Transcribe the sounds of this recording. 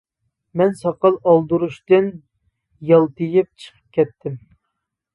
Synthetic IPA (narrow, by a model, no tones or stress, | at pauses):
mɛnsɑqɑlˠɑlˠd̪uɾuʃt̪ɨn | jɑlˠt̪ɨjɪp̚t͡ʃʰə̥qʰə̥p̚kʲʰɛt̪ʰːɪm